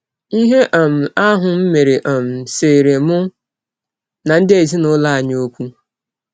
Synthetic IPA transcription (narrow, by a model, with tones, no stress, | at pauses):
i˦ɦe˦ʔa˨m̩˨a˦ɦʊ˨m̩˦me˨ɾe˨ʔɔ˨m̩˨seː˨ɾe˨mʊ˦ | na˨n̩˦dɪ˦e˦˨s̬i˦nʊ˦la˦a˨ɲ˦o˦kʷu˦